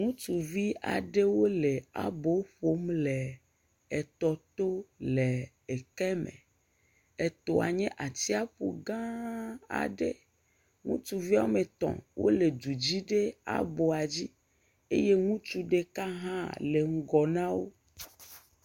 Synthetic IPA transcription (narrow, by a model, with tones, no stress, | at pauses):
ŋũ˦t͡ʃu˨vi˦a̰˨ɖe˦wo˦le˨a̰˨bo˨˦ɸo˨˦mlɛ˨ | ɛ˨t̪ɔ˨t̪o˦lɛ˨ | ɛ˨kɛ˦mḛ̃˨ | ɛ˨t̪o˨a˨ɲɛ̃˦ʔa˨t̪i˦a˦ɸṵ˨ɡã˦a̰˨ɖḛ˦ | ŋṵ̃˦t͡ʃu˨vi˦a˦o˦mẽ˨t̪ɔ̰̃˨wʔo̰˦le˨d̪u˨d͡ʑi˦ɖe˦a̰˨bo˨a˨d͡ʑi˦ | e˦je˦ŋũ˦t͡ʃu˦ɖe˦ka˦ɦã˦le˨ŋ̩˦ɡɔ˨nã˦wo˦